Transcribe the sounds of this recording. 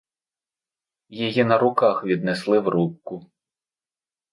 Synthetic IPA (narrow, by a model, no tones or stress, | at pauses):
jijinɐɾʊkɑxʋʲid̪nɛslˠɪwɾup̚kʊ